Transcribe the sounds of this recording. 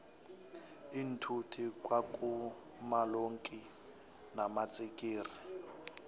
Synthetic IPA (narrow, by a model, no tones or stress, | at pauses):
in̩tʰutʰikwakʼu | maloŋkʼi | namat͡sʼikʼiːri